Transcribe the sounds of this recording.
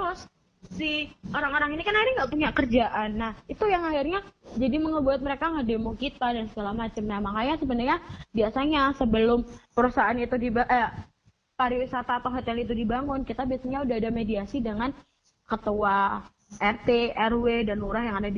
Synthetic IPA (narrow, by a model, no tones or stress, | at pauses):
t̪əɾʊsː | ihoɾaŋoɾaŋinikanahirɲaŋɡaʔpuɲakərd͡ʒaʔanːahit̪ujaŋahirɲad͡ʒadiməŋəbuat̪̚məɾekaŋademokit̪adansəɡalahmat͡ʃəmnamakajasəbənərɲabiasaɲasəbəlʊmpəɾusaanɲait̪udibaʔa | paɾiwisat̪aːt̪awɦot̪ɛlit̪udibaŋʊnkit̪abiasaɲaudaɦadamediasidəŋan | kət̪ua | ɛrt̪eɛrwedanuɾahjaŋadad